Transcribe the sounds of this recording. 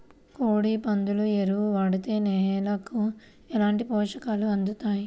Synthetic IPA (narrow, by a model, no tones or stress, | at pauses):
koːɽiːpɐnd̪ulueɾuuʋɐːɽut̪eːnɛːlɐku | ɛlaːɳʈipɔːʂɐkaːluɐnd̪ut̪aːji